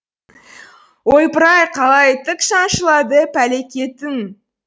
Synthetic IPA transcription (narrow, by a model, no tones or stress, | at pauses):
wojpəɾɑjqʰɑlˠɑjt̪ʰɪkʃɑŋʃəlˠɑd̪əpʰæle̞kʲe̞t̪ɪŋ